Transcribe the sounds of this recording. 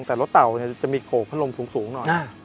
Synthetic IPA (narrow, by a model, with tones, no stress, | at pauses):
ŋt̪ɛː˨˩lo˦˥t̪̚t̪a˨˩wni˧˥˩ɐt͡ɕa˨˩ʔmiː˧kʰoː˨˩pʰːa˥lo˧msuː˩˦ŋsuː˩˦ŋnɔ˨˩ja˧˩